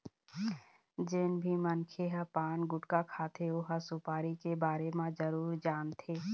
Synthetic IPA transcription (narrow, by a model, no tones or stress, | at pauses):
d͡ʒɪnbʱimənkʰeɦapaːnɡʊʈkakʰaːt̪ʰeoɦasʊpaːɾikebaːɾemãd͡ʒəɾuːɾd͡ʒaːnt̪ʰeː